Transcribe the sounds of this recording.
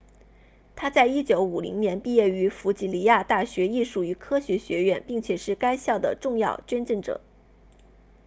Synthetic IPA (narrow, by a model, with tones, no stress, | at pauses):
t̪ʰa˥t͡sa˥˩ɪi˥t͡ɕjo˧˥ʊu˨˩lḭ˧˥ŋnjɛ˧˥npi˥˧jɛ˥˩y˧˥fu˧˥t͡ɕi˧˥li˧˥ja˥˧t̪a˥˩ɕɥɛ˧˥i˥˧ʂu˨˥˩y˧˥kʰɤ˥ɕɥɛ˧˥ɕɥɛ˧˥ɥɛ˥˩npi˥˩ŋt͡ɕʰjɛ˨˩ʂɻ̩˥˩ka˥ɪɕjɑ˥˩ʊd̪ə̰˩ʈ͡ʂʊ˥˧ŋjɑ˥˧ʊt͡ɕɥɛ˥nʈ͡ʂə˥˩ŋʈ͡ʂɤ̰˨˩˦